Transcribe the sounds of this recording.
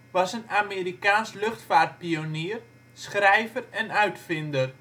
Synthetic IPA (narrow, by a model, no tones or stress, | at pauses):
ʋɑsənameːɾikaːnslɵχtfaːrt̚pioniər | sχrɛjvərɛnœɥtfɪndər